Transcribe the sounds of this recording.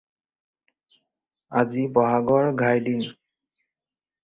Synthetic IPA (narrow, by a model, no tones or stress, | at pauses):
azibɔɦaɡɔɹɡʱajdin